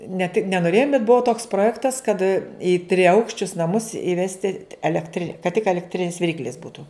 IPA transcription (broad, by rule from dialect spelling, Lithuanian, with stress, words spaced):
nʲɛ tʲɪ nʲɛ noːˈrʲeːjʊm bʲɛt ˈbuɔ toːks proːˈjæːktɐs kɐt ɪ tʲrʲɪˈɐʊkʃʲt͡ʃʲʊs nɐˈmʊs ɪˈʋʲæːsʲtʲɪ ɛlʲɛkˈtʲrʲɪ kɐt tʲɪk ɛlʲɛkˈtʲrʲɪnʲɪs ʋʲɪˈrʲiːklʲɪs ˈbuːtʊ